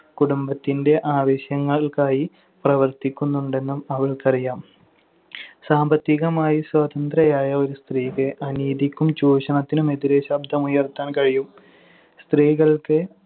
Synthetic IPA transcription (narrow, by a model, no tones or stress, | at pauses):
kuɽumbɐt̪ːinde̞ʔaːʋɐɕjɐŋːɐɭkaːji | prɐʋɐrt̪ikʲːunːuɳɖe̞nːumɐʋɐɭkɐrijaːm | saːmbɐt̪ːiɣɐmaːjiswaːt̪ɐnd̪rɐjaːjɐo̞ɾust̪riːkɨʔɐniːðikʲːumt͡ɕuːɕɐɳɐt̪ːinume̞ðiɾeɕɐb̚d̪ʱɐmujɐrt̪ːaːnkɐɻijum | st̪riːɣɐɭkɨ